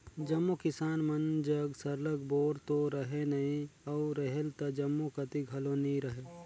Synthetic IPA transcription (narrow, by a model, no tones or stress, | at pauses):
d͡ʒɐmːukɪsaːnmɐnd͡ʒəɡsɐɾləɡboːɾt̪oɾɐɦenɐɦĩɐʊɾəɦɛlt̪ɐd͡ʒɐmːukɐt̪iɡʱɐloniɾɐɦe